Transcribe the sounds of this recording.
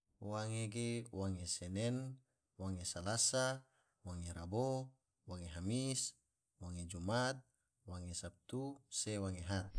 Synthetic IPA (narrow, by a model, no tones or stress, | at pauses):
waŋeɡewaŋesenɛn | waŋesalasa | waŋeɾabo | waŋeɦamis | waŋed͡ʒumat̪̚ | waŋesap̚t̪usewaŋeɦat̪̚